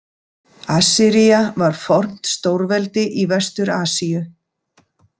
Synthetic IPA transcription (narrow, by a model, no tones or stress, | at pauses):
aːsɪɾijavaɾ̥fɔr̥n̥t̪st̪oːwɾvɛlt̪ɪʔivɛst̪ʏɾaːsijʏ